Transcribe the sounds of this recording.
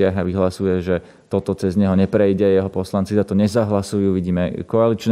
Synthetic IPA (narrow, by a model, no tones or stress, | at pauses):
ɪaɦaʋiɦlasujɛʒɛ | t̪ɔt̪ɔt͡sɛzɲɛɦɔɲɛpɾɛjɟɛjɛɦɔpɔslant͡sizat̪ɔɲɛzaɦlasujuːʋiɟiːmɛkɔalit͡ʃn